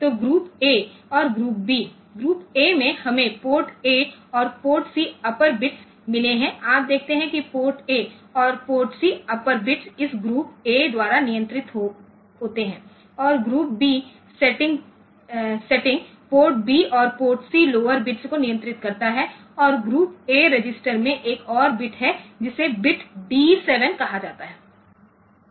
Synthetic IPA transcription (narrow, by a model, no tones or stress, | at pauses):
t̪oːɡɾuːpeː | ɔːɾɡɾuːp̚biː | ɡɾuːpeːmẽhɐmẽpoːɾʈeːɔːɾpoːʈsiɐpəɾbɪʈs | mɪleɦɛ̃aːp̚d̪eːk̚ʰt̪eɦɛ̃kipoːɾʈeːɔːɾpoːɾʈsiɐpəɾbɪʈsɪsɡɾuːp̚eːd̪waːɾanɪjə̃nt̪ɾɪt̪ɦo | ɦoːt̪eɦɛ̃ː | ɔːɾɡɾuːp̚biː | sɛʈɪ̃ŋɡ | sɛʈɪ̃ŋɡ | poːʈ̚biːɔːɾpoːʈsiloːəɾbɪʈskonɪjə̃nt̪ɾɪt̪kɐɾt̪aɦɛ | ɔːɾɡɾuːpeːɾed͡ʒɪsʈəɾmẽʔeːkɔːɾbɪʈɦɛd͡ʒɪsebɪʈbiːsɛːʋənkɐɦad͡ʒaːt̪aɦɛː